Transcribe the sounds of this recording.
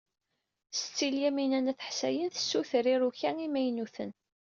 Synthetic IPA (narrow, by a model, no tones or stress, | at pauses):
st͡sːiljæminænæθə̥ħsæ̰jənθə̥sːuθəɾiɾuçæŋimæjnuθən